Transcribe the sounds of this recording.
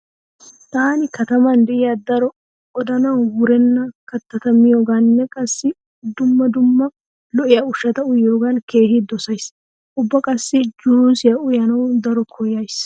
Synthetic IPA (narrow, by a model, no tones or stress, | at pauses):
t̪aːnɪkɐt̪ɐmɐnd̪ɛʔɪjad̪ɐɾɔ | ʔɔd̪ɐnɐwwʊɾɛnːɐkɐt̪ːɐt̪ɐmɪjo̞ːɡanːɛkʼɐsːɪ | d̪ʊmːɐd̪ʊmːɐ | lɔʔɪjɐʊʃːɐt̪ɐʊjoːɡɐnke̞ːhɪd̪ɔsɐjs | ʔʊbːɐkʼɐsːɪd͡ʒʊɾuːsɪjɐʊjɐnɐwd̪ɐɾɔkʰɔjɐjs